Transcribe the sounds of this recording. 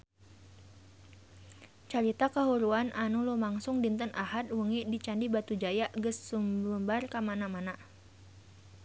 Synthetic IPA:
t͡ʃaɾit̪akəɦuɾuanʔanulumaŋsʊŋdint̪ənʔaɦat̪̚wuŋidit͡ʃandibat̪ud͡ʒajaʔɡəssumbumbarkamanamana

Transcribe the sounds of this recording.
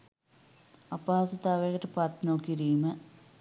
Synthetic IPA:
ɐpaːsɐt̪aːʋeːkɐʈɐpat̪noːkːiɾiːmɐ

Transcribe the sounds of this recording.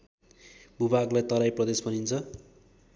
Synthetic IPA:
bubaɡlajt̪ʌɾajprʌd̪espʌnint͡sʰʌ

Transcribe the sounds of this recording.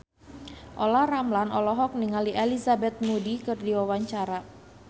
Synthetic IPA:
ʔolahramlanɔlɔɦɔk̚niŋaliʔelizabɛt̪̚mudikɨrdiwawaɲt͡ʃaɾa

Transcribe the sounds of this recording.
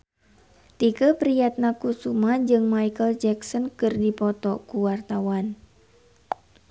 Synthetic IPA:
t̪ikəpɾijat̪̚nakusumad͡ʒɨŋmajkəld͡ʒɛksɔnkɨrdipɔt̪ɔkuwart̪awan

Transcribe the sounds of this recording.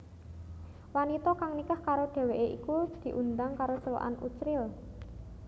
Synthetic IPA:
wanit̪ɔkaŋnikahkaɾod̪̥e̤weʔeʔikud̪̥i̤ʔund̪aŋkaɾosəwə̰ʔa̰nʔṵt͡ʃɾɪl

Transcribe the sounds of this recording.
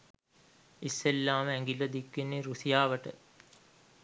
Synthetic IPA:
isːelːaːməɛŋɡilːəd̪ikːenːiɾusijaːʋəʈə̰

